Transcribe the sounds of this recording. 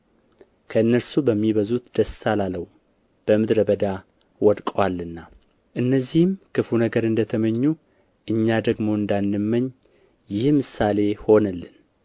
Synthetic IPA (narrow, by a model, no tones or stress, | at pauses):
kʰəɨnːəɾsubəmːiβəzut̪d̪̥əsːalaləw | b̥əmɨd̪ɾəbəd̪a | wɔd̪kʼwalːɨnːa | ʔɨnːəzːihɨmkʰɨfunəɡəɾɨnd̪ət̪ʰəməɲːu | ʔɨɲːad̪əɡmo̞ɨnd̪anːɨmːəɲː | jɪhmɨsale̞ho̞nəlːɨn